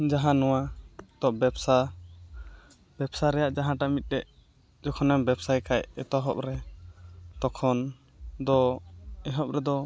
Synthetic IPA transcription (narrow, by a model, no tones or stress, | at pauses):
d͡ʒaɦãnɔwat̪ɔbɛbsa | b̥ɛbsaɾɛjaʔd͡ʒaɦãʈamit̪̚ˀdɛʔ | d͡ʒɔkʰɔnɛmbɛbsajkʰajɛt̪ɔɦɔ̰p̚ɾɛ | t̪ɔkʰɔn | d̪ɔɛɦɔp̚ɾɛd̪ɔ